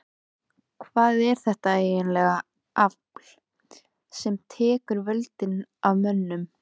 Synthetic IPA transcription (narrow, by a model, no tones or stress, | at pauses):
kʰvaːðɛɾ̥θɛht̪aeːjɪnlɛɣa | ʔakl | sɛmt̪ʰɛːkʏɾvœlt̪ɪnavmœnːʏm